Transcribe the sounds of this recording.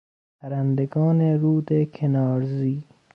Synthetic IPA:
pʰæɾænd̪eɡɒːneɾuːd̪ekʰenɒːɾziː

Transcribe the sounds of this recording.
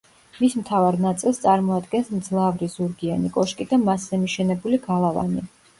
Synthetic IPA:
mismt̪ʰavaɾnat̪sʼilˠst̪sʼaɾmɔad̪ɡɛnsmd̪zlˠavɾizuɾɡianikʼɔʃkʼid̪amaszɛmiʃɛnɛbuliɡalˠava̰ni

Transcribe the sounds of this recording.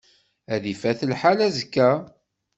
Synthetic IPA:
æðifæθəlħalæzəkːæ

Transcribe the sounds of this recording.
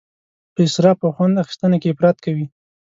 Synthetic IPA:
pəɪsɾɑpəxwand̪axɪ̥st̪ənakeɪpɾɑt̪̚kawi

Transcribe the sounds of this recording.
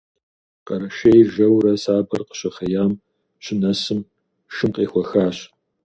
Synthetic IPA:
qɐɾɐʃejʒɐwɾɐsaːbɐrqə̥ɕɐχɐjaːm | ɕɪnɐsɨm | ʃɨmqʼeːxʷɔxaːɕ

